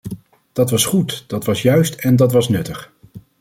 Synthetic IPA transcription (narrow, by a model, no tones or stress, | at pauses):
d̥ɑtʋɑsχutd̥ɑtʋɑsjœɥstɛndɑtʋɑsnɵtəχ